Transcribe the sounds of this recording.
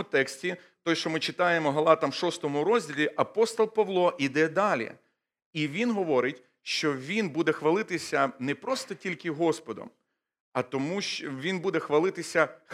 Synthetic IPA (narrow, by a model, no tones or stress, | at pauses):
ʊt̪ɛksʲtʲi | t̪ɔjʃt͡ʃɔmɪt͡ʃɪt̪ɑjemɔɦlˠɑt̪ɐmʃɔst̪ɔmʊɾɔzʲdʲilʲiʔɐpɔst̪ɔlˠpɐʋlˠɔʔid̪ɛd̪ɑlʲḭ | iʋʲinɦɔʋɔɾɪtʲ | ʃt͡ʃɔʋʲinbud̪ɛxʋɐlˠɪt̪ɪsʲɐnɛpɾɔst̪ɔtʲilʲkɪɦɔspɔd̪ɔ̰m | ɐt̪ɔmuʃt͡ʃʋʲinbud̪ɛxʋɐlˠɪt̪ɪsʲɐ